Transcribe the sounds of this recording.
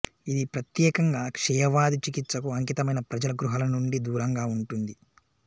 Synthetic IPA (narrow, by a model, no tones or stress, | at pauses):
id̪ipɾɐt̪jɛːkɐŋɡaːkʂɛːjɐʋaːd̪it͡ʃikit̪sɐkuɐŋkit̪ɐmɐjnɐpɾɐd͡ʒɐlɐɡɾuɦɐlɐnuɳɖid̪uːɾɐŋɡaːuɳʈund̪i